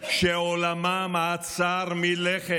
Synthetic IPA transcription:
ʃeolamamat͡saɾmileχe

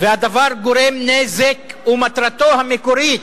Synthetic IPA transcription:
vead̪ɐvaɾɡʊɾemnezekumɐt̪ɾɐt̪oːɦɐmɪkʊɾi

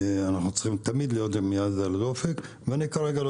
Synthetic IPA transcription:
anaχnut͡sχimt̪amid̪lijot̪bemijad̪alad̪ofek | veanikaɾeɡalo

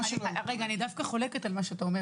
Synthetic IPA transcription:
ʁeɡaːnid̪afkaχo̞le̞ket̪almaʃeat̪aome

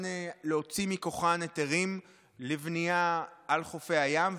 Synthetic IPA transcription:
neleo̞t͡simikoχanet̪eʁim | livniaalχofehajam

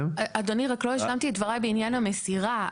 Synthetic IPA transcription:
ad̪oniʁaklojeʃlamt̪iet̪vaʁajbeinjanhamesiʁa

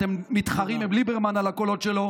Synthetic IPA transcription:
t̪emːit̪χaʁimblibeʁmanalakolo̞t̪ʃelo̞

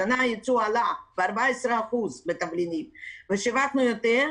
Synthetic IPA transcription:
anajit͡sualabeaɾbaesɾeaχuzbet̪avlinimveʃevaχnujot̪eʁ

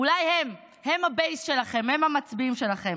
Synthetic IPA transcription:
ulajhem | he̞mhabejsʃe̞laχe̞mhe̞mhamat͡sbiimʃe̞laχe̞m

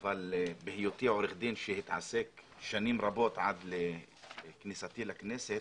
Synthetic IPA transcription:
ʔvalbɪhɪjot̪iʕoɾɪxd̪iːnʃehɪt̪ʕa̰sek | ʃaniːmɾˤɑboːt̪ʕa̰d̪l | knisat̪iːlakneːset̪

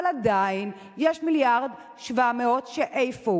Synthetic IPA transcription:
lad̪ain | jɛʃmiljaʁd̪ | ʃvameotʃeʔejfo

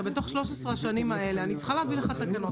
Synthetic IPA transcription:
beto̞χʃlo̞ʃesʁeaʃanimae̞leanit͡sχaleavileχat̪aɡano

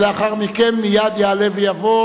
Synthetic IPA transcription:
leaχaʁmikenmijad̪jealevejavo

